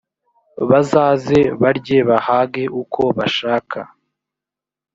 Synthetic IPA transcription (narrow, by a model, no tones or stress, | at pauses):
βazaːze̞βaɾɟeβahaɡe̞ʔukʰo̞βaʃaːkʰa̰